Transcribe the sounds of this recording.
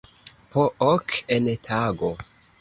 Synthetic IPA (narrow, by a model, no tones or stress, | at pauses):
pʰoʔokʰentʰaɡo